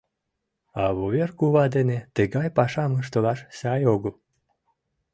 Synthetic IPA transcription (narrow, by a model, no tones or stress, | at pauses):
ɑβoβerkuβɑd̪enet̪əɡɑjpɑʃɑməʃ̬t̪olɑʃsɑjoɡəl